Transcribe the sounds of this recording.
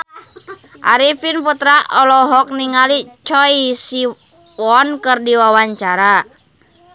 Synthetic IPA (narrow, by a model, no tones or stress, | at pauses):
ʔa̰ɾifinput̪ɾaɔlɔɦɔk̚niŋalit͡ʃɔisi | wɔnkɨrdiwawaɲt͡ʃaɾa